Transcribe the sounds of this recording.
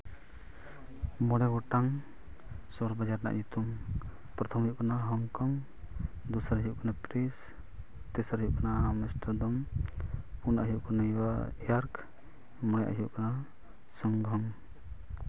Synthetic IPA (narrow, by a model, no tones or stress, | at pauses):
mɔɽɛɡɔʈaŋ | sɔɾbad͡ʒaɾna̰ʔd͡ʒut̪uŋ | pɾɔt̪ʰɔmɦiʔkanaɦɔŋkɔŋ | d̪usaɾɦiuʔkanapɾis | t̪ɛsaɾɦiuʔkanamɛsʈɔd̪ɔm | unʔaɦuʔkanawajaɾk | mɔɽɛʔa̰ɦuʔkana | sɔŋɡɔŋ